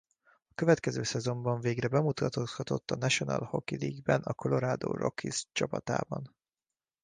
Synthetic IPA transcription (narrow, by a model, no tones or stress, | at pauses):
ɒkøvɛt̪kɛzøːsɛzo̞mbɒɱveːɡrɛbɛmut̪ɒt̪oshɒt̪o̞t̪ːɒnɛʃo̞nɒ̰lho̞kiliːɡbɛnɒko̞lo̞ɾaːd̪o̰ːro̞̰kʰḭst͡ʃɒpɒt̪a̰ːbɒn